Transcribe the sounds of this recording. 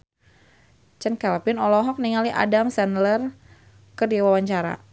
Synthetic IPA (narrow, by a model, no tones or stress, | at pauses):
t͡ʃɛnkɛlpɪnɔlɔɦɔk̚niŋaliʔa̰damsɛnlər | kədiwawaɲt͡ʃaɾa̰